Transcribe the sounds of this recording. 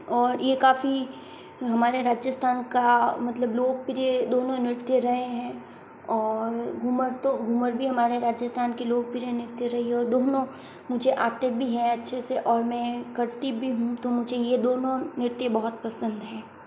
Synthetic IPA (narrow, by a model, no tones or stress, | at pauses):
ɔːɾjekaːfi | ɦɐmaːɾeɾaːd͡ʒjəst̪ʰaːnkamɐt̪ləbloːɡ̚pɪɾied̪oːnõnɪɾt̪jeɾɐɦeɦɛ̃ | ɔːɾɡʱuməɾt̪oɡʱuməɾbʱiɦɐmaːɾeɾaːd͡ʒjəst̪ʰaːnkiloːɡ̚pɪɾjenɪɾt̪jeɾɐɦiɦɛ̃ɔːɾd̪oːnõ | mʊd͡ʒʱeʔaːt̪ebʱiɦɛ̃ɐtːʃʰeseʔɔːɾmɛ̃kɐɾt̪ibʱiɦũt̪omʊd͡ʒʱejed̪oːnõnɪɾt̪jəbɐɦʊt̪pɐsə̃nd̪ɦɛ̃ː